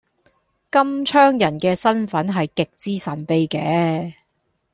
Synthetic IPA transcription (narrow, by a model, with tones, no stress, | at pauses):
kɐ˥mt͡ʃʰœː˥ŋjɐ˨˩nkɛː˧sɐ˥nfɐ˨˥nɦɐ˨jkɪ˨k̚t͡siː˥sɐ˨˩npe˧jkɛː˨˧˦